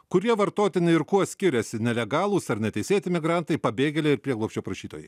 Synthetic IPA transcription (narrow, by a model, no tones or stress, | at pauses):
kʊɾʲiɛʋɐɾt̪oːt̪ʲɪnʲɪɪɾkuɔsʲkʲɪɾʲɛsʲɪnʲɛlʲɛɡɑːlˠuːsɐɾnʲɛt̪ʲɛɪsʲeːt̪ʲɪmʲɪɡɾɑnt̪ɐɪpɐbʲeːɡʲɛlʲeɪɾpʲɾʲiɛɡlˠɔːpʲʃʲt͡ʃʲoːpɾɐʃʲiːt̪oːjɛɪ